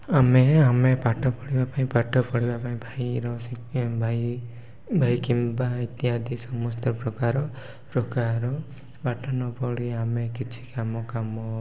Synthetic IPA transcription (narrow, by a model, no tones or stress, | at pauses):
ameamepaʈʰɔpɔɽibapaĩpaʈʰɔpɔɽibapaĩbʱajɾɔsibʱaj | bʱajkimbait̪iad̪isɔmɔst̪ɔpɾɔkaɾɔ | pɾɔkaɾɔ | paʈʰanɔpɔɽiamekit͡ʃʰi̥kamɔkamɔ